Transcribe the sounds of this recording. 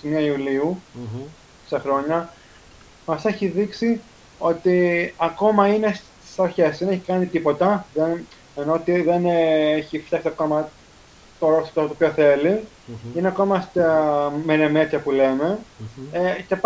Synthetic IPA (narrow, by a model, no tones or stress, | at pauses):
simiɐiuliu | sexɾo̞ɲɐ | mɐse̞çiðiksi | o̞t̪iɐko̞mɐine̞st̪i̥sɐɾçeszðeneçikɐnit̪ipo̞t̪ɐðen | eno̞ot̪iðeneçift̪jɐksiɐko̞mɐ | t̪oɾost̪ot̪ot̪opçoθe̞li | ineɐko̞mɐst̪meɾemet̪çɐpule̞me̞ | ce̞